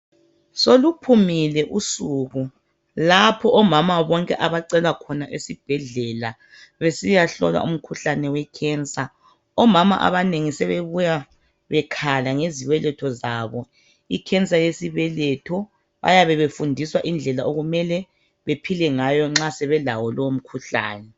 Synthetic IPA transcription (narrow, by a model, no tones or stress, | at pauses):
solupʰumilɛʔusuɣu | lapʰɔʔɔmamaβɔŋkʼɛʔaβaǀɛlwakʰɔnaʔesib̥ʱɛɮɛla | βesijaɬɔ̰lwa̰ʔṵm̩kʰuɬanɛwɛkʰɛnsʼa | ɔmama̰ʔa̰βaneŋisɛβeβuja | βɛkʰalaŋeziβɛlɛtʰɔzaβɔ | ikʰɛnt͡sʼajesiβɛlɛtʰɔ | βa̰jaβɛβefundʱiswaʔind͡ɮʱɛlaʔoɣumɛlɛ | βepʰilɛŋajɔŋ͡ǁasɛβɛlawɔlɔwom̩kʰuɬa̰ːnɛ